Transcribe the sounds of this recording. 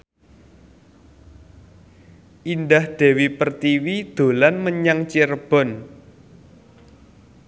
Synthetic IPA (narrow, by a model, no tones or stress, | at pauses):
ʔind̪ahd̪̥ɛ̤wipərt̪iwid̪̥o̤lanməɲaŋt͡ʃirb̥ɔ̤n